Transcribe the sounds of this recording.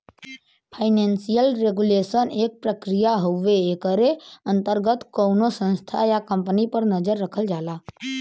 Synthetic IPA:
pʰaɪnẽnsijəlɾeɡulesəneːk̚pɾəkɾijaɦoʋeekəɾeə̃nt̪əɾɡət̪kownosə̃nst̪ʰa̰jakə̃mpənipəɾnəd͡ʒəɾːəkʰəld͡ʒaːla

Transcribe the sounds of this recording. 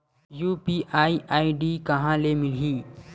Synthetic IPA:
juːpiʔaiʔaiɖikɐɦãlemilĩː

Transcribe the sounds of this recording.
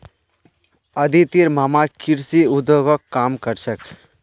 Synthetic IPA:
ɐd̪it̪iɾmamakiɾsiud̪oɡɔkːaːmkəɾsək

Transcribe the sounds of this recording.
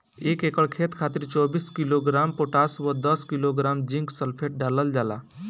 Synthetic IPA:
ekekəɭkʰet̪kʰat̪iɾt͡ʃɔbiːskiloɡɾampoʈasʋəd̪əskiloɡɾamd͡ʒĩŋksəlpʰeʈ̚ɖaləld͡ʒala̰

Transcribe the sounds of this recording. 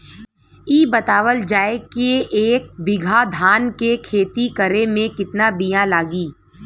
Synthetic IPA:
iːbɐt̪aːʋəld͡ʒaːekeʔeːk̚bɪɡʱad̪ʱaːnkekʰeːt̪ikəɾemẽkɪt̪nabijãlaːɡiː

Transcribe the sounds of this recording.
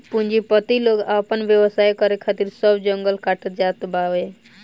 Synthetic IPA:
pund͡ʒipət̪iloɡapənʋjəwəsajkəɾekʰat̪iɾsəbd͡ʒəŋɡəlkaʈət̪̚d͡ʒat̪baʋe

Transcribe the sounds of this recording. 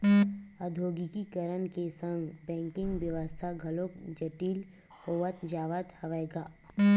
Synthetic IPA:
əd̪ʱoːɡikikəɾənkesə̃ŋɡbɛ̃ːŋkɪ̃ŋɡʋjəʋəst̪ʰaɡʱɐlokd͡ʒɐʈiːl | hoːʋət̪d͡ʒaːʋət̪hɐʋəeɡaː

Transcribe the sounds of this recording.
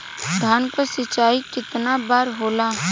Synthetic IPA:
d̪ʱaːnkosɪt͡ʃaːikɪt̪nabaːɾɦoːlaː

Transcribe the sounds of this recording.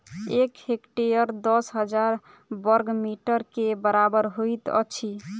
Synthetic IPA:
ekhekʈejəɾd̪ɔsɦəd͡ʒaɾ | bəɾɡmiʈəɾkebəɾabəɾɦojt̪ə̰t͡ʃʰi

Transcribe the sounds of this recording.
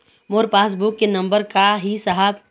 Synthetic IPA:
moːɾpaːs̬bukːenɐ̃mbəɾkaɦisəɦab

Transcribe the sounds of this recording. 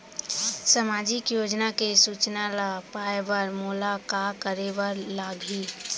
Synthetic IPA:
səmad͡ʒɪkjoːd͡ʒnakesut͡ʃnalapaebəɾmulakakəɾebəɾlaːɡʱi

